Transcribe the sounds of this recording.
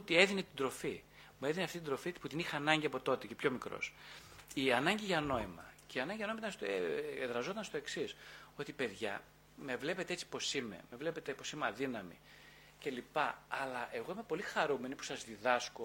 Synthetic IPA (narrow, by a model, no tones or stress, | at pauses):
ot̪ie̞ðine̞t̪id̪ɾo̞fi | mue̞ðineɐft̪it̪d̪ɾo̞fiput̪inixnɐɲɟiɐpo̞t̪o̞t̪ece̞pço̞mikɾo̞̰siɐnɐɲɟiʝɐno̞imɐ̰ceiɐnɐɲɟiɐnoimɐit̪ɐnst̪oeeðɾɐzo̞t̪ɐnst̪o̞e̞ksiso̞t̪ipe̞ðʝɐ̰ | me̞vle̞pe̞t̪eet͡si̥po̞sime̞̰mevle̞pe̞t̪epo̞simeɐðinɐmḭ | ce̞lipɐːlɐʔe̞ɣo̞ime̞po̞lixɐɾume̞nipu̥sɐzðiðɐsko